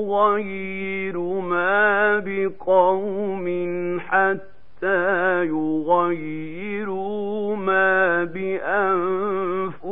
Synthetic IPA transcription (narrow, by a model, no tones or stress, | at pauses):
ɣajːɪɾʊmaːbɪqɑwmɪnħat̪ːaːjʊɣajːɪɾʊmaːbɪʔanfʊ